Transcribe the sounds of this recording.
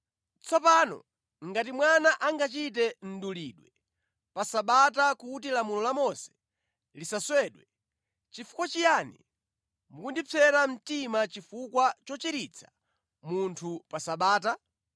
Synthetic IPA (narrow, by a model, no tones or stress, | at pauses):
t͡sʰɔpanɔ̰ | ŋɡatimwanaʔaŋɡat͡ʃit̬ɛn̩duliːɗwɛ | pasaɓatakutilamulɔlamɔsɛ̥ | lisaswɛɗwɛ | t͡ʃifu̥kwat͡ʃijaːnḭ | mukundipʰɛɾam̩timat͡ʃifukwat͡ʃɔt͡ʃiɾit͡sʰḁ | muntʰupasaɓaːt̬a